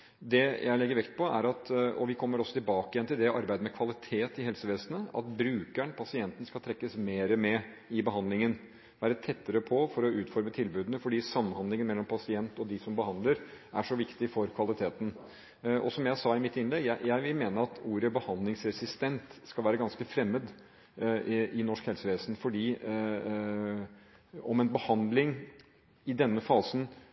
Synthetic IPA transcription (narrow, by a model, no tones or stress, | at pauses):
d̪ɛjʔæɪlɛɡːəɾʋɛkt̪̚pʰɔæ̰ɾɑt̪ɔʋɪkʰɔmːəɾɔsːɔt̪ʰɪlbɑːkɪjɛnt̪ɪld̪ɛʔɑɾbæɪd̪əmɛkʰʋɑlɪt̪ʰeːt̪ɪɦɛlsəʋeːsənəɑ̰t̪bɾʉːkæɳpʰɑsɪɛnt̪ən̩skɑlt̪ʰɾɛkːəsmeːɾəmɛ | ɪbəɦɑnd̪lɪŋən | ʋæːɾət̪ʰɛt̪ːəɾəpʰɔfɔɾɔʉːt̪fɔɾmət̪ʰɪlbʉːd̪ənəfɔɖiːsɑmːənhɑnd̪lɪŋənmɛlːɔmpʰɑsɪɛnt̪ɔd̪ɪsɔmbəhɑnd̪ləɾæʂɔʋɪkt̪ɪfɔɾkʰʋɑlɪt̪ʰeːt̪ən̩ | ʔɔ̰sɔmjæɪsɑːɪmɪt̪ːɪnlɛɡjæɪjæɪʋɪlmeːnəɾɑt̪uːɾəbəhɑnd̪lɪŋsɾɛsɪst̪ɛnt̪skɑlʋæːɾəɡɑnskəfɾɛmːəd̪ | ɪnɔʂkhɛlsəʋeːsn̩fɔɖiː | ɔmɛnbəhɑnd̪lɪŋ | ɪd̪ɛnːəfɑːsən